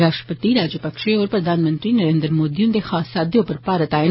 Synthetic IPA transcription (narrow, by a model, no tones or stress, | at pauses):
ɾaːʃpət̪iɾaːd͡ʒəpɐkʃeɔːɾpɾɐd̪aːnmənt̪ɾinɐɾeːnd̪əɾmoːd̪ijũnd̪exaːsaːd̪jõpəɾpaːɾət̪aː